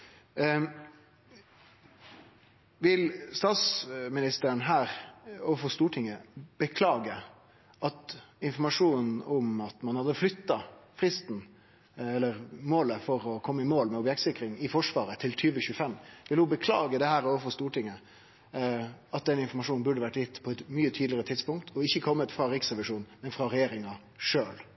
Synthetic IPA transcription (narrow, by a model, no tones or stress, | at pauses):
ʋɪlst̪ɑːt̪smɪnɪst̪əɾənɦæːɾoːʋəfɔst̪uːʈʰɪŋːəb̥əkʰlɑːɡə | ʔɑt̪ɪnfɔɾmɑʂuːnʊmɑt̪mɑnhɑd̪əflʏt̪ːɑfʁɪst̪n | ɛlːəʁmoːləfɔɾɔkʰɔmːəɪmoːlmɛɔbjɛk̚t̪sɪkɾɪŋɪfɔʂʋɑːɾət̪ʰɪlt̪ʰyːʋəçʉəfɛmːʋɪləhʊbəkʰlɑ̰ːɡəd̪ɛhæːɾɔːʋəfɔst̪uːʈɪŋːə | ɑt̪̚d̪ɛnɪnfɔɾmɑʂuːnnbʉɖəʋæʈːjɪt̪ːpʰɔɛt̪myːət̪ʰyːd̪lɪəɾət̪ʰɪd̪spʊŋkt̪ʰɔɪçːəkʰɔmːət̪fɾɑɾiːksɾɛʋɪʂuːnmɛnfɾɑɾɛjeːɾɪŋɑ | ʂøːl